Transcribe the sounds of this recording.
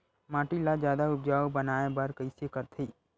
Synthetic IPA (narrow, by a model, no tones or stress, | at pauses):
maːʈilad͡ʒjaːd̪aʊpd͡ʒaːobɐnaːebaɾkəisekəɾt̪ʰiː